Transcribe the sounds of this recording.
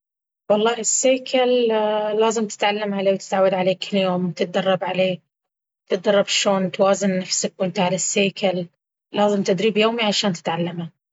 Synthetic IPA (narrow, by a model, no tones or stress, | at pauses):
wɑlˤːɑːhɪsːeːkʰallaːzɪmt̪ɪ̥t̪ʕalːamʕaleːwt̪ɪ̥t̪ʕawːad̪ʕaleːkʰɪlːjoːmt̪ɪt̪̚d̪ɑrˤːɑbʕaleː | t̪ɪt̪̚d̪ɑrˤːɑbʃoːnt̪waːzɪnːafsakwɪnt̪aʕalasːeːkʰalː | aːzɪmt̪ɪd̪ɾiːbjoːmiʕaʃaːnt̪ɪ̥t̪ʕalːama